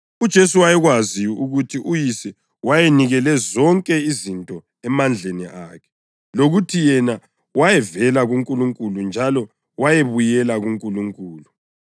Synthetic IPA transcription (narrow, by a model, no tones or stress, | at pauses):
ud̥ʒ̥ʱesuwajɛɣwaziuɣutʰiʔujisɛ | wajeniɣɛlɛzɔŋkʼɛizintʼɔ | ɛmand͡ɮʱenḭʔaːkʰɛ̥ | loɣutʰijɛna | wajɛvɛlaɣuŋkʼuluŋkʼulund͡ʒʱalɔ | wajeβujɛlaɣuŋkʼuluŋkʼuːlu